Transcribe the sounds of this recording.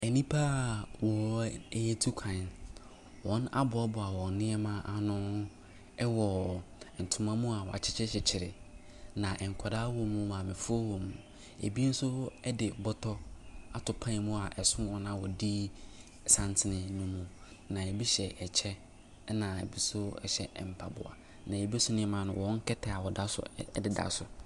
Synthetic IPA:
ɛ˨nĩ˦pʰa˦˨wɔ˨ɛ˦jɛ˦tʰu˦kʰã˨˦ | wɔ̃˦na̰˦bʊ˨˦ɔ˦bʊ˨a˨wɔ˨nɪ̃˦ɛ˦mã˦ʔa˨nʊ̃˦ | ɛ˦wɔ˨n̩˨tʰʊ̃˦mã˦mʊ̃˦a˨wɔ̰˨a̰˨t͡ɕʰɪ˦t͡ɕʰɪ˦ɕɪ˨t͡ɕʰɪ˨ɾɪ̰˨ | nã˨ʔɛ˨ŋ̩˨kʷʰɔ˨daː˦wõ˨mũ˦wã˨mɪ̃˨fʊ˦o˦hõ˨m˨ | ḛ˨bi˦n̩˦sʊ˦ɛ˦dɪ˨bɔ˦tʰɔ˦a˦tʰʊ˨pʰã˦n˨˦mũ˦a˨ʔɛ˨sʊ̃˦ɔ˦nã˦wɔ˨di˦ | sã˦ntʰɪ˨nɪ̃˨nũ˦mũ˦ | nã˨ɛ˨bi˦ɕɛ˨ʔɛ˨t͡ɕʰɛ˦ | nã˨ɛ̰˨bi˦sʊ˦ɛ̰˦ɕɛ̰˨m̩˨pʰa˨bʊ̰˨a̰˨ | nã˨ɛ˨bi˦sʊ˦nɪ̃˦ɛ˦mã˨˦nʊ̃˨wʔɔ˨˦ŋ̩˦kʰɛ˦tʰɛ˨a˨wɔ˨da˦sʊ̰˨˦dɪ˨da̰˨˦sʊ˨

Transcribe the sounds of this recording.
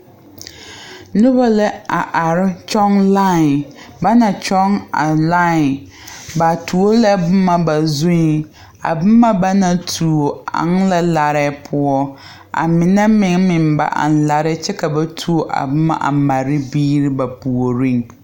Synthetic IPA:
nʊ˦ba˦lɛ˦a˨ʔa˨ɾɪ˦t͡ʃɔ˦ŋla˦˨ba˦nã˨t͡ʃɔ˦ŋa˨la˦˨ | ba˨tʰu˨o˦lɛ˦bʊ˦ma˨ba˨zũ˦i˨˦ | a̰˨bʊ˦ma˦ba˦nã˨tʰu˨o˨a̰˨˦ŋla˦la˨ɾɪ˦pʰʊ˦ɔ˦ | a̰˨mɪ˨nɛ˦mɪ˨ŋmɪ̃˨mba̰˨ʔa̰˨n˦˨la˨ɾɪ˦t͡ʃʰɛ˦ka˨ba˦tʰu˦o˨ʔa̰˨bʊ˦ma̰˦˨ʔa̰˨ma˨ɾɪ˦biː˦ɾi˦ba˨pu˨o˨ɾĩ˦˨ŋ

